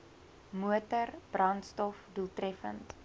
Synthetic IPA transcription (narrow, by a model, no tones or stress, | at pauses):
muətərb̥rɐntstɔfduəlˠtrɛfə̰nt